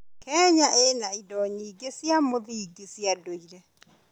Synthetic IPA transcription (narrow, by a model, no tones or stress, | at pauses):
kɛɲaʔenaidɔɲiɡesjamoðiiɡesjadoiɾɛ